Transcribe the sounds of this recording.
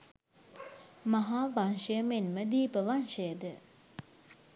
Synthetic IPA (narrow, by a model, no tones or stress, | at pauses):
maɦaːbanʃemenməd̪iːpəʋanʃeːd̪ə